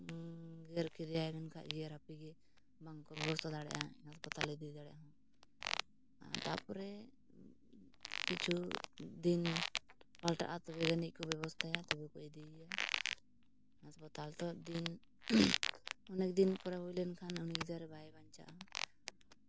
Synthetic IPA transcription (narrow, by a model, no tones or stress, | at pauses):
ɡɛɾkɛd̪ɛajmɛnkʰa̰ʔd͡ʒiaɾapiɡɛ | baŋɡkɔbɛbɔst̪ʰad̪aɽɛ̰ʔaaspɔt̪alɛd̪id̪aɽɛjaɦɔ̃ | a̰t̪a̰pɔɾɛ | kit͡ʃʰud̪in | palʈa̰ʔat̪ɔbɛɡanik̚kɔbɛβɔst̪ʰajat̪ɔbɛkɔɛd̪ija | ɦaspɔt̪alt̪ɔd̪in | ɔnɛk̚d̪inpuɾaɦujlɛnkʰanɔnik̚d̪aɾɛbʱajbaɲt͡ʃa̰ʔ